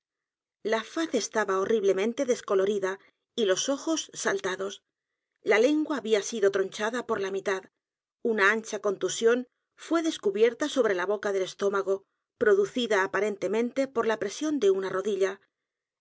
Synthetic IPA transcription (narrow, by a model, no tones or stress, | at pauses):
lafaθe̞st̪aβao̞riβle̞mẽ̞nt̪e̞ðe̞sko̞lo̞ɾiða | ilo̞so̞xo̞sːalt̪aðo̞s | lale̞ŋɡwaːβiasiðo̞t̪ɾo̞nt͡ʃaðapo̞ɾlamit̪að | unaant͡ʃako̞nt̪usjo̞n | fwe̞ðe̞skuβje̞ɾt̪aso̞βɾe̞laβo̞kaðe̞le̞st̪o̞maɣo̞ | pɾo̞ðuθiðaːpaɾe̞nt̪e̞mẽ̞nt̪e̞po̞ɾlapɾe̞sjo̞nd̪e̞unaro̞ðiʎa